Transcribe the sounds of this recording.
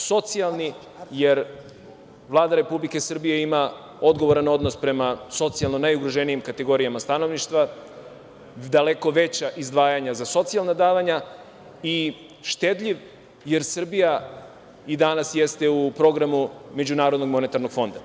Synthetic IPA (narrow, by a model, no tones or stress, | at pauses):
so̞t̪sialˠni | je̞ɾ | vlˠaːd̪aɾe̞publike̞sɨr̩bije̞ima | o̞d̪ɡo̞ʋoɾano̞d̪no̞spɾe̞maso̞t̪sialˠnonajuɡɾoʒenijimkat̪e̞ɡo̞ɾiamast̪ano̞ʋniʃt̪ʋa | d̪ale̞ko̞ʋe̞t͡ɕaʔizd̪ʋaːjaɲazaso̞t̪sialˠnad̪aːʋaɲa | i | ʃt̪e̞d̪ʎʲiʋ | je̞ɾsr̩bija | id̪anasjest̪e̞upɾo̞ɡɾamume̞d͡ʑunaːɾod̪noɡmo̞ne̞t̪aɾnoɡfo̞nd̪a